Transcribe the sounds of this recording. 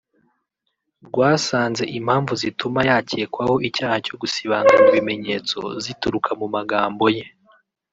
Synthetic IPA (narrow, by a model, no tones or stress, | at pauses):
ɾɡwaːsaːnze̞ʔim̥haːɱvuzitumajaːceːkwaho̞ʔicaːhaco̞ɡusiβaːŋɡaamuβime̞ɲe̞ːt͡so̞̰zituɾukʰamumaɡaːmbo̞je̞